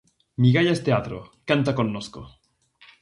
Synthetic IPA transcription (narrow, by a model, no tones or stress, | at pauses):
miɣaʎaest̪eat̪ɾokant̪akonːosko̰